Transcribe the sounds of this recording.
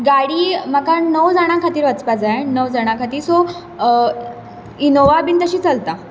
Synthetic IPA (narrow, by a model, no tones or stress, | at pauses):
ɡaɽiːmakanəwd͡zaɽ̃ãkʰat̪iːɾʋət͡spad͡zanəwd͡zaɽ̃ãkʰat̪iːɾso | inoʋabiːnt̪əɕiːt͡səlt̪a